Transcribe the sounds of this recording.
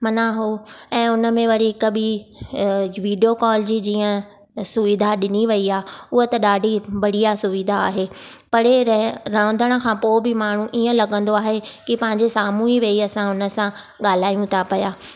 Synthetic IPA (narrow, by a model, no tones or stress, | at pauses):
mɐnãɦoɛ̃ːʊnə̆mẽʋɐɾiɪkəbɪ | ʋiːɖijokɔːld͡ʑid͡ʑiːə̃ | sʊʋɪd̪ʱaɗɪniʋɐiaːʊɦot̪ɐɗaːɖʱibɐɽ̤ijasʊʋid̪ʱa̰ːɦeːpɐɽeɾəːə̃nd̪əɽ̃ə̆kʰãːpoːbɪmaːɳ̤ũʔiːə̃lɐɠə̃nd̪oaːɦekɪpɐ̃ɦɪ̃ɲd͡ʑesaːmuɦiʋeːiɐsãʊnə̆sã | ɠaːl̤aːjũt̪ʰapɐjaː